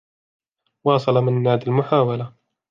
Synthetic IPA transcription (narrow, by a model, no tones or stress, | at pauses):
wɑːsˤɑlɑmɪnːaːd̪almʊħaːwala